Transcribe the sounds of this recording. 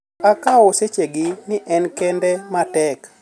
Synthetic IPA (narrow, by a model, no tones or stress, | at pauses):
akaɔset͡ʃeɡɪnɪʔɛnkɛndɛmatɛk